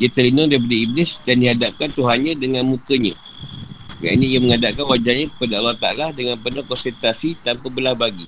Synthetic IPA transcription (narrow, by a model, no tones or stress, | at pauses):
iat̪əlinaŋdaip̬adaiblɪsdandiɦadap̚kant̪uɦanɲãdəŋanmukəɲã | ja̰ʔniijaməŋadakanwad͡ʒaɲãkə̥padaːwat̪a̰lahdəŋanpərnakɔnsɛrt̪asit̪ampabəlahbaɡi